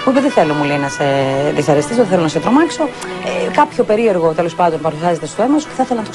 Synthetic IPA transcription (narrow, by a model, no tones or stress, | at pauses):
puipeðeθe̞lo̞mulenɐseðisɐɾest̪isoðeθelonɐs̬et̪ɾo̞mɐkso̞ | ekɐpço̞pe̞ɾie̞ɾɣo̞t̪e̞lo̞spɐnd̪o̞npɐɾusiɐze̞t̪est̪oemɐsu̥ceθɐθelɐnɐt̪o